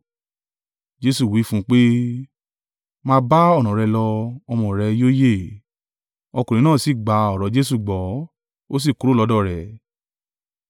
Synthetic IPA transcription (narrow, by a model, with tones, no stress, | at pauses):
d͡ʒe˦su˦˨wi˨˦fũ˦k͡pe˦ | mãː˦ba˦ɔ˦˨nɔ̃˨ɾɛ˧lɔ˧ɔ˧mɔ̃˨ɾɛ˧joː˦je˦˨ | ɔ˧ku˨ɾĩ˨˦nãː˦˨si˦˨ɡ͡ba˨˧˦ɔ˨ɾɔ˨˦d͡ʒe˦s̬u˦˨ɡ͡bɔ˨˦ | o˦s̬i˦˨ku˨˦ɾo˦lɔ˨˧˦dɔ˦˨ɾɛ˨